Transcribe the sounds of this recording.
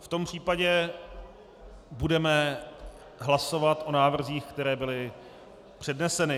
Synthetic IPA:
ft̪o̞mpr̥iːpaɟɛ | budɛmɛ | ɦlaso̞vat̪ʔo̞naːvr̩ziːxkt̪ɛɾɛːbɪlɪ | pr̝̥ɛdnɛsɛnɪ

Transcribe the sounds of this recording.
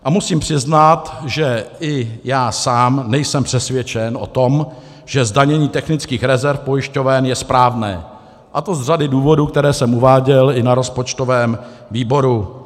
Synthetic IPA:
ʔamusiːmpr̥ɪznat̪ʒɛɪjaːsaːmnɛjsɛmpr̥ɛsvjɛt͡ʃɛnʔo̞̰t̪o̞m | ʒ̥ɛzdaɲɛɲiːt̪ɛxnɪt͡skiːxɾɛzɛɾfpo̞jɪʃco̞vɛnjɛspɾaːvnɛ̰ː | ʔat̪o̞zr̝adɪduːvo̞duːkt̪ɛɾɛːsɛmʔuvaːɟɛlɪnaɾo̞spo̞t͡ʃt̪o̞vɛːm | viːbo̞ɾu

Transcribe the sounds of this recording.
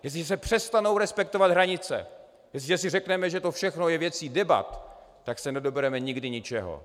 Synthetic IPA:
jɛs̬ɪʒɛs̬ɛpr̥ɛst̪anowɾɛspɛkt̪ovad̪ɦɾaɲɪt͡sɛ̰ | jɛs̬ɪʒɛs̬ɪrɛknɛmɛʒɛt̪o̞fʃɛxnojɛvjɛt͡siːdɛba̰t̪ː | aksɛnɛdo̞bɛɾɛmɛɲɪɡdɪɲɪt͡ʃɛɦo̰

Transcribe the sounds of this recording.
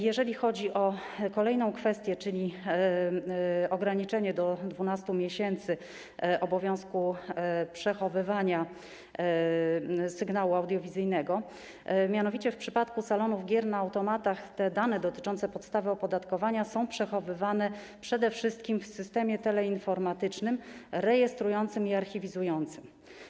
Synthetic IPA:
jɛʐɛlʲixɔd͡ʑiʔɔkɔlɛjnɔ̃w̃kfɛst̪ʲjɛt͡ʂɘlʲi | ɔɡɾaɲit͡ʂɛɲɛd̪ɔd̪vunast̪umʲjeɕɛnt̪sɘ | ʔɔbɔvʲjɔ̃w̃skupʂɛxɔvɘvaɲa | sɘɡnawuawd̪jɔvʲizɘjnɛɡɔ | mʲjanɔvʲit͡ɕɛfpʂɘpat̪kusalɔnuvɡʲjɛɾnaːwt̪ɔmat̪axt̪ɛd̪anɛd̪ɔt̪ɘ̥t͡ʂɔnt̪sɛpɔt̪st̪avɘɔpɔd̪at̪kɔvaɲasɔ̃w̃pʂɛxɔvɘvanɛ | pʂɛd̪ɛfʂɘst̪̚kʲimfsɘst̪ɛmʲjɛt̪ɛlɛinfɔɾmat̪ɘt͡ʂnɘmɾɛjɛst̪ɾujɔnt̪sɘmiaɾxʲivʲizujɔnt̪sɘm

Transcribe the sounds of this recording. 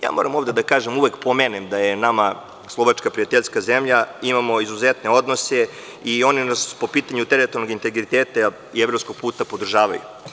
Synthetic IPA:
ja̰ːmo̞̰ɾamo̞ʋvd̪ed̪akaːʒemuʋekpo̞meːnemd̪ajenama | slˠoʋat͡ʃkapɾijat̪eʎskazemʎaimamoizuzet̪ne̞o̞d̪nose | io̞ninaspo̞piːt̪aɲut̪eɾet̪oɾno̞ɡint̪e̞ɡɾit̪eːt̪a | ievɾo̞pskoɡ̚puːt̪apo̞d̪r̩ʒaːʋajṵ

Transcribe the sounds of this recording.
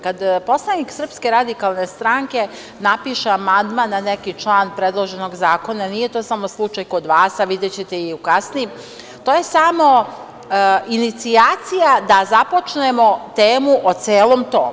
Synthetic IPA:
kad̪po̞slˠaniksr̩pske̞ɾad̪ikalˠne̞st̪ɾaŋke̞ | napiʃeamand̪manːanekit͡ʃlˠaːnpɾe̞d̪lˠoʒe̞no̞ɡzaːko̞nanije̞t̪o̞ːsamo̞slˠut͡ʃajko̞d̪ʋaːsaʋid̪et͡ɕet̪e̞iukasnijim | t̪oːje̞samo̞ | init̪siaːt̪sijad̪azapo̞t͡ʃne̞mo̞t̪eːmuʔot̪seːlˠo̞mt̪o̰ː

